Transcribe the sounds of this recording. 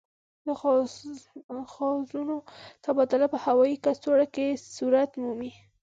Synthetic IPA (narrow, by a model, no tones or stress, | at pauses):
d̪əx | xɑzunot̪abɑd̪ʊlapəhawɑjikast̪oɽakesuɾat̪mumi